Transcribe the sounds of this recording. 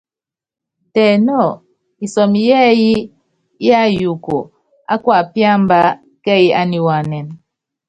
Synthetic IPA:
tɛ˨nɔ˦˨ | i˨sɔ˨m˨jɛ˦ji˦ | i˦a˦ju˨ko˨ | a˦kwa˦˨pja˦mba˦ | kɛ˦˨ji˦a˦ni˨wa˨nɛ˨n

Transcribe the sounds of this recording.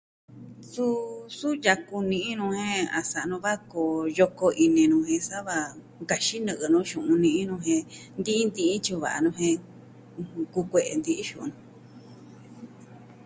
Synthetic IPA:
su˦su˦ja˧ku˧nĩ˧ĩ˦nũ˧hẽ˦a˨sa˨˧nũ˧βa˦ko˧˨jo˧ko˧ʔi˧nẽ˧nũ˧hẽ˧sa˦βa˧ | ŋɡa˨ʃi˦nɨ̃˧ʔɨ˧nũ˧˦ʃũ˨ũ˧nĩ˧ʔĩ˦nũ˧ɦẽ˧nd̪i˦i˦nd̪ĩ˧ʔĩ˦t͡ʃu˧βa̰˨a̰˧nũ˧ɦẽ˧ | ku˧kʷe˧ʔe˧nd̪i˧ʔi˦ʃũ˧ʔṵ̃˧nũ˧

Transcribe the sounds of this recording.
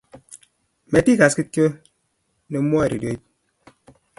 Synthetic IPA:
me˨ti˦ka˨ski˦to˦ | ne˨m̩˦m˦ɔ˦e˨ɾi˨do˦i˦t̚

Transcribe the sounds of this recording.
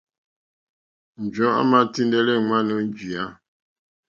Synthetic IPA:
n̩˨d͡ʒɔ̃˨˦a̰˦ma˦ti˦ndɛ˦lɛ˦ŋwa˦nɔ˦n˦d͡ʒi˨a˦

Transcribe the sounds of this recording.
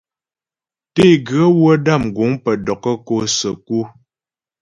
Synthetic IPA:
te˦˨ɡɰə˦wə˦da˦˨mɡu˨˦ŋpə˨dɔ˨kə˦ko˦˨sə˨ku˦

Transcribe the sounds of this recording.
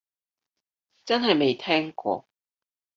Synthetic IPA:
t͡sɐ˥nɦɐ˨˩jme˨˥˩jt̪ʰɛ˥ŋkwɔ̰˥˧

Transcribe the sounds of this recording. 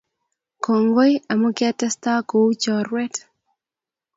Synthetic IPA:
ko˨ŋɡo˦ja˨mo˦kɪ˦a˦tɛ˦sta˦ko˨u˦t͡ʃɔ˨rwɛ˦t

